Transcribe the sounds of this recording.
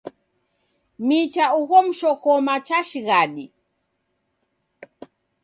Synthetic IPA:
mit͡ʃauɣɔm̩ʃɔkɔmat͡ʃaʃiɣaɗi

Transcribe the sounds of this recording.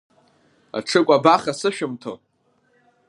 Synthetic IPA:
a̰ʈ͡ʂʰɨkʷʼabaχasɨʃᶣɪmtʰo̰

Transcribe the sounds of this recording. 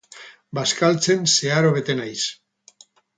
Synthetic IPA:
baskalt͡se̞nse̞aɾo̞βe̞t̪e̞najs

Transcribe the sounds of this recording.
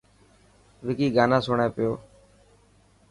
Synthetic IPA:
ʋɪkiːɡaːnãːsoːɳãːpɪjoː

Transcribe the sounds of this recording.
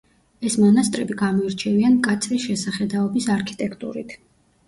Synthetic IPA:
ɛsmɔnast̪ʼɾɛbiɡamɔiɾt͡ʃʰɛviankʼat̪sʰɾisʃɛsaχɛd̪aɔbisaɾkʰi̥t̪ʼɛkʰt̪ʼṵɾḭt̪ʰ

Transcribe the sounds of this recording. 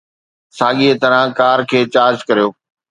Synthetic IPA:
saːɠiːet̪ɐɾə̃kaːɾkʰeːt͡ɕaːɾd͡ʑkɐɾijoː

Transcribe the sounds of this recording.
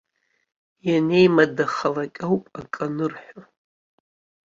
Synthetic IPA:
janejmadaχalakʲʼawpʼakʼanɨrħʷᶣo

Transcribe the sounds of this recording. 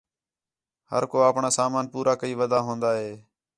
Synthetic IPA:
hə̰ɾkoːaːpɳaːsaːmaːnpuːɾaːkəiːʋəd̪aːɦõːnd̪aːɦeː

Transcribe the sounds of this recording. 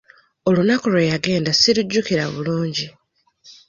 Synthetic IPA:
o̞lunakulwejaɡe̞ːndasiɾuɟːukiɾa̰βṵluːɲɟi

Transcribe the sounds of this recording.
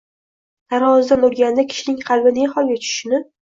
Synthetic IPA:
t̪ʰaɾhɒzd̪anoɾɡʲand̪akʲʰɪ̥ʃɪnɪŋqʰɑlˠbɪneχɒlˠɡʲat͡ʃʰʊ̥ʃɪnɪ

